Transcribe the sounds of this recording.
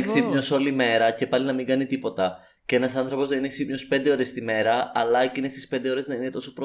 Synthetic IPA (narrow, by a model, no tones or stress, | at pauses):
ksipɲo̞so̞lime̞ɾɐce̞pɐlinɐmiŋɡɐnit̪ipo̞t̪ɐ | cee̞nɐsɐnθɾo̞po̞zðenineksipɲo̞spe̞nd̪e̞o̞ɾe̞st̪ime̞ɾɐɐlɐecine̞st̪ispe̞nd̪eo̞ɾe̞znɐinet̪o̞sopɾo